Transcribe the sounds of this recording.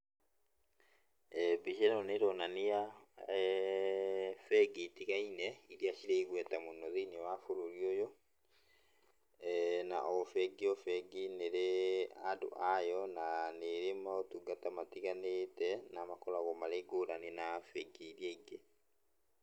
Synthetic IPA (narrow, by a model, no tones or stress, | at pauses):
biʃɛnɔneɾɔnanija | fɛɡitiɣainɛiɾiaʃiɾeiɣwɛtamonɔðinewafoɾoɾiojɔ | na̰ʔɔfɛɡiɔfɛɡineɾeado̰ʔajɔnaneɾematuɡatamatiɣanetɛnamakɔlaɣɔmaleɡoɾanenafɛɡeːɾiɛiɡe